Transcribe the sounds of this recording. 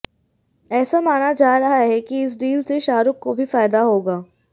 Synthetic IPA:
ɛːsamaːnad͡ʒaːɾɐɦaɦɛkiɪs̬ɖiːlseʃaːɾʊkːobʱifaːjd̪aɦoːɡaː

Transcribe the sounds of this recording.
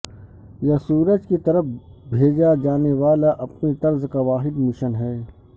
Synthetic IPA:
jɐsuːɾəd͡ʒkit̪ɐɾəfbʱeːd͡ʒad͡ʒaːneʋaːlaʔɐpnit̪ɐɾzkaʋaːɦɪd̪mɪʃənɦɛː

